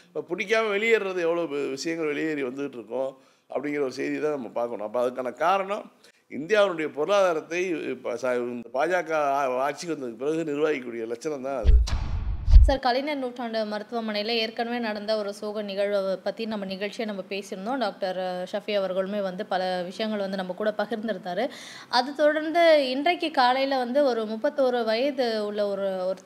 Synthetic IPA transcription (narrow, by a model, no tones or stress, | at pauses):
ɐpːɐpʊɽɪk̬ʲːaːmɐʋɛɭɪjeːɾɾɐðɯɛʋːɐɭoːʋɪʂɐjɐŋɡɐɭʋɛɭɪjeːɾiʋɐnd̪ɯʈːɯɾɯkːʊ̃ː | ʔɐ̰pːɐɽɪŋɡɪɾɐɔɾɯsɛjðit̪ãːnɐmːɐpaːɾkɐɳõɐpːɐːɐðɯkːaːnɐkaːɾɐɳɐ̃m | ɪ̰nd̪ɪjaːʋɐnʊɽɐjɐpɔɾɯlaːðaːɾɐt̪ːɐɪsaɪnd̪ɐpaːd͡ʒaːkaaːʈ̚t͡ʃːikːɯʋɐnd̪ɯðɯkːɯpɪɾɐɣɯnɪɾʋaːɣɪkːuːɽɪjɐlɐt͡ʃːɐnɐ̃mt̪ãːɐðɯ̰ | sɐɾkɐlɪnɐɾnuːʈraːɳɖɯmɐɾɯt̪ːɯʋɐmɐnɐjɪlɐeːɾkɐɳɐmeːnɐɽɐnd̪ɐɔɾɯsoːɣɐnɪɣɐɻɐpɐt̪ːijnɐmːɐnɪɣɐɭt͡ʃɪjɐnɐmːɐpeːsɪɾɯnd̪õːɖaːk̚ʈɐɾʂɐfiɐʋɐɾɣɐɭɯmeːʋɐnd̪ɯpɐlɐʋɪʂɐjɐŋɡɐɭʋɐnd̪ɯnɐmːɐkuːɽɐpɐɣɪɾnd̪ɪɾɯnd̪aːɾɯ | ʔɐðɯt̪ɔɽɐɾnd̪ɯɪndrɐkːɯkaːlɐjɪlɐʋɐnd̪ɯɔɾɯmʊpːɐt̪ːoːɾɯʋɐjɐðɯʊɭːɐɔɾɯɔɾɯ